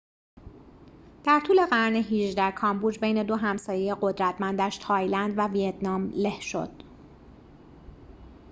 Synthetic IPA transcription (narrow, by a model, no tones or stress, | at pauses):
d̪̥æɾt̪ʰuːle̞ɣæɾneɦiʒd̪æhkʰɒmbuːd͡ʒbe̞jne̞d̪o̞ɦæmsɒːjeje̞ɢo̞d̪ɾæt̪ʰmænd̪æʃt̪ʰɒːjlænd̪vævijet̪ʰnɒːmle̞hʃo̞̰d̪̥